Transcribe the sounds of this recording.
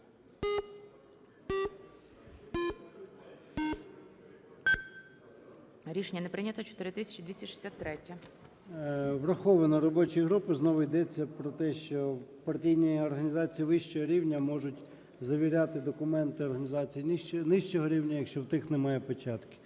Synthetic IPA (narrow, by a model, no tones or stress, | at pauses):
ɾʲiʃenʲːɐnepɾɪnʲɐt̪ɐt͡ʃɔ̥t̪ɪɾɪt̪ɪsʲɐ̥t͡ʃɪd̪ʲʋʲisʲɐʃɪ̥sʲat̪ːɾɛtʲːɐ | ʋrɐxɔʋɐnɐɾɔbɔt͡ʃijɦɾupɪznɔʋʊjd̪ɛt͡sʲːɐpɾɔt̪ɛʃt͡ʃɔwpɐrtʲijnʲijiɔrɦɐnʲizɑt͡sʲijiʋɪʃt͡ʃɔɦɔɾʲiwnʲɐmɔʒʊtʲ | zɐʋʲiɾʲat̪ɪd̪ɔkʊmɛnt̪ɪɔrɦɐnʲizɑt͡sʲijinɪʃt͡ʃɔɦɔɾʲiwnʲɐjɐkʃt͡ʃɔwt̪ɪxnɛmɑjɛpɔt͡ʃɑt̪kɪ̥